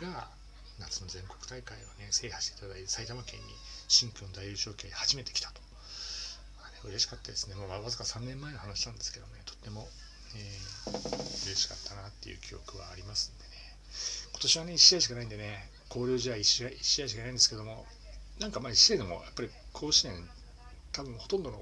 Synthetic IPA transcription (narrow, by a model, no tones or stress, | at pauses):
ɡ̥a | nat͡sɨno̞zẽ̞ŋko̞̥kɯ̟̥t̪aikaiβone̞se̞ːhaɕi̥t̪eit̪ad̪aisait̪amakẽ̞̰ɲ̟ʲːḭɕĩŋkɯ̃nd̪aiɯːɕo̞ːkehaʑime̞t̪ekʲi̥t̪ḁt̪o̥ | aneɯ̟ɾe̞ɕi̥kat̪ːad̪esɨne̞mamaβazɨkasãnːẽ̞mːae̞nohanaɕi̥t̪ãnd̪e̞sɨ̥ke̞d̪o̞monet̪o̞̥t̪ːe̞mo̞ | eː | ɯ̟ɾe̞ɕi̥kat̪ːanat̪ːe̞jɯ̰ːkʲijo̞̰kɯ̟βa̰ːɾʲimasɨ̥̃nd̪e̞ne | kot̪o̞ɕiβane̞iɕːiaiɕi̥kanaĩnd̪e̞ne̞ | kʰo̞ːɾʲoːʑiβaiɕaiɕːiaiɕ̬ikanaĩnd̪esɨ̥ked̪o̞mo̞̰ | nãŋkamaiɕad̪emo̞̰japːaɾʲikʰo̞ːɕinẽn | t̪abɯ̟̃ho̞t̪õnd̪o̞no̰